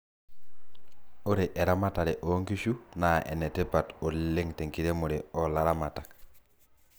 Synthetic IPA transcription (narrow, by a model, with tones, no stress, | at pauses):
o˦ɾeʔe˨ɾa˦ma˦ta˨ɾe˨ʔo˦ŋki˦ʃunaḛ˨ne˨te˦pato˨lːe˦ŋte˨ŋki˨ɾe˦mo˨ɾeɔla˦ɾama˨ta˨k